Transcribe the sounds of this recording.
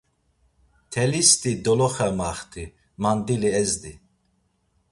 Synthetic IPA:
t̪ʰɛlist̪id̪ɔlɔχɛmaχt̪ʰi | mand̪iliɛzd̪i

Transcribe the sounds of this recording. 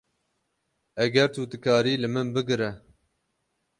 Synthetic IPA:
ɛɡɛɾt̪ʰuːt̪ɨkʰɑːɾiːlɨmɨnbɨɡɨɾɛ

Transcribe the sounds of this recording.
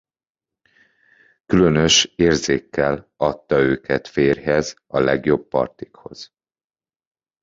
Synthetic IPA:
kylønøʃeːrzeːkːɛlɒt̪ːɒøːkʰɛt̪feːrɦɛz | ɒlɛɡjo̞bːɒ̰rt̪i̥kho̞̰z̥

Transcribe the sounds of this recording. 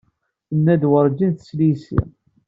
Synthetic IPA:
nːæd̪wəɾˤd͡ʒinθə̥slisḭ

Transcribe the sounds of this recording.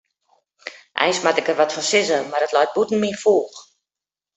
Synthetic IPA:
ʔɛ̰jnsmatɪkərʋɔtfɔnsɪzəmardətlɔjt̚butn̩mifoːx

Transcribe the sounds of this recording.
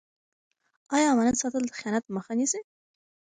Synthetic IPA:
ɑjɑːmanansɑt̪əld̪əxijɑnat̪məxanise

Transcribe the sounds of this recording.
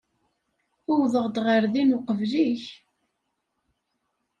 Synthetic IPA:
ʊwðəʁd̪ʁəɾðinʊqəvliç

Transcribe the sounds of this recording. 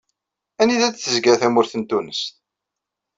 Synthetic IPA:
æniðæt͡sθəzɡæθæmʊɾθənt̪unəst̪

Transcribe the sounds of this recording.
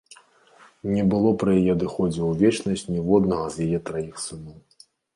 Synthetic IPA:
nʲɛbɨlˠɔpɾɐjajɛd̪ɨxɔd͡zʲɛwvʲɛt͡ʂnɐsʲt͡sʲnʲivɔd̪nɐɣɐzjajɛt̪ɾajixsɨnɔw

